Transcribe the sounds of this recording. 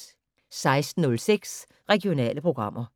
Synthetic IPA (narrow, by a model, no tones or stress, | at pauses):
sɑ̈ɪsd̥n̩nɔ̽lseɡ̥s | ʁɛɡio̝nɛ̰ːləpʰʁoɡ̥ʁɑ̈m̰ʔɐ